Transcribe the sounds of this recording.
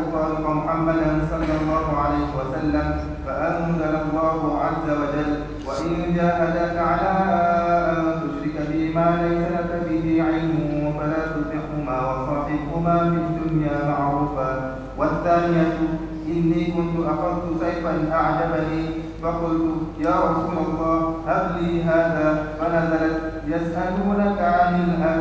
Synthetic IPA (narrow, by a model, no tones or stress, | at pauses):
tˤɑːɾɪqamʊħamːad̪ansˤɑlːɑlˤːɑːɦʊʕalajhɪwasalːam | faʔanwad̪anɑlˤːɑːɦʊʕazːawad͡ʒalː | waʔɪnd͡ʒaːʔad̪aːkaʕalaːʔaʔant̪ʊʃɾɪkabɪmaːlajsaɾak̪abɪɦiːʕajnʊwafalaːt̪ʊbɪħhʊmaːwɑsˤɑːħɪbhʊmaːfid̪ːʊnjaːmaʕɾuːfaː | waθːaːnɪjatu | ʔɪnːiːkʊntuʔaqabt̪usajfanʔaʕd̪abaniː | faqʊltujaːɾˤɑsuːmalˤːɑːhhabliːɦaːðaːfanazɑɾat | jasʔaluːnakamɪnʔa